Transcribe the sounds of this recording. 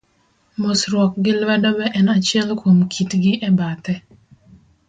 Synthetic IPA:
mosɾwɔk̚ɡɪlwɛdɔbɛʔɛnat͡ʃɪɛlkʰwomkʰitɡɪʔɛbat̪ɛ

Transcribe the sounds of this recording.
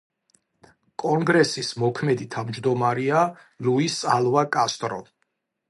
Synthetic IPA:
kʼɔŋɡɾɛsismɔkʰmɛd̪it̪ʰavmd͡ʒd̪ɔmaɾia | luisalˠvakʼast̪ʼɾɔ̰

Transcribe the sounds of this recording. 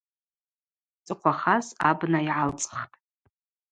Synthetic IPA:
t͡sʼɨqʷʰaχasa̰bnaiʕalt͡sʼχtʼ

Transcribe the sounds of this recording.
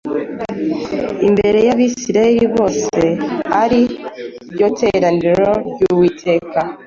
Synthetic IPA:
imbe̞ɾe̞jaβisiɾaiɾiβo̞ːse̞haɾibɟo̞tʰe̞ɾandiɾo̞ɾɟuwitʰe̞ːka

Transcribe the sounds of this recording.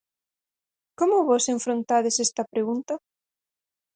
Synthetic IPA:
komʊβɔseɱfɾõnt̪aðesest̪ɐpɾeɣunt̪ɐ

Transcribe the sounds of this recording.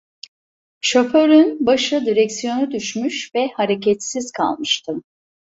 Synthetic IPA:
ʃo̞fø̞ɾynbaʃɯd̪iɾɛcsijo̞nud̪yʃmyʃvɛhaɾecɛt̪siz̥kʰa̰lˠmɯʃt̪ʰɯm

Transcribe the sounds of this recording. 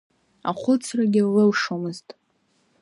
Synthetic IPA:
a̰χʷʊt͡sʰraɡʲɪlɨlʂomɨztʼ

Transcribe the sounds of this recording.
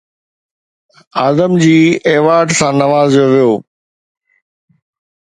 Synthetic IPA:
aːzəmd͡ʑiːeːʋaːɾɖsãːnɐʋaːzjoʋijoː

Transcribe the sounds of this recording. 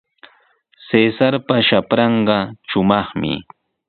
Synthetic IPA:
sesaɾpaʃapɾɑɴɢɑʃʊmɑχmɪ̰

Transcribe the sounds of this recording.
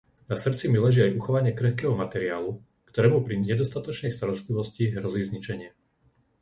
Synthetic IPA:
nasr̩t͡similɛʒiajuxɔʋaɲɪɛkɾɛxkɛːɦɔmat̪ɛɾiaːlu | kt̪ɔɾɛːmupɾiɲɛd̪ɔst̪at̪ɔt͡ʃnɛjst̪aɾɔst̪liʋɔsciɦɾɔziːzɲit͡ʃɛɲɪɛ

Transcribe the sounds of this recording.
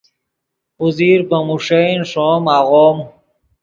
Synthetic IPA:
uziːɾbɐmuʂejnʂomaːɣoːm

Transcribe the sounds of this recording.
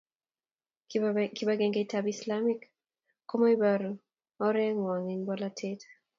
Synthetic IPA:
kibaɡɛŋɡetabislamik | kːɔmɔibaɾu | ɔɾɛŋwɔŋinbɔlatʰet

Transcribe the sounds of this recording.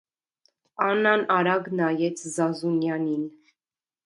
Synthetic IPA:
ɑnɑnɑɾɑɡnɑjɛt͡sʰzɑzunjɑnin

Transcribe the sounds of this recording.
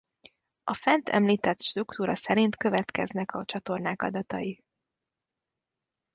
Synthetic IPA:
ɒfɛnt̪ʰɛ̰mliːt̪ɛt̪ʃt̪rukt̪uːɾɒsɛɾint̪kø̞vɛt̪kɛznɛkɒt͡ʃɒt̪o̞rnaːkɒ̰d̪ɒt̪ɒ̰ji

